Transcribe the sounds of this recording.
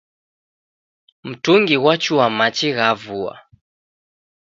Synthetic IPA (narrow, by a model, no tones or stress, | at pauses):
m̩tuŋɡiwat͡ʃuamat͡ʃiɣavua̰